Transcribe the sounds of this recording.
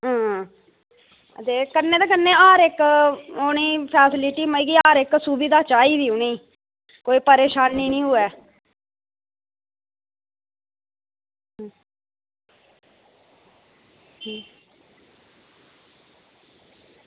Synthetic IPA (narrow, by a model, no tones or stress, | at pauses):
ɦãː | t̪eːkənːeːd̪aːkənːẽːaːɾɪkoːniːpʰɛːsɪlɪʈiːməiːɡiːaːɾɪksuːbid̪aːt͡ʃaːiːd̪iːʊniː | koːiːpəɾeːʃaːnːiːnĩːɦʊɛː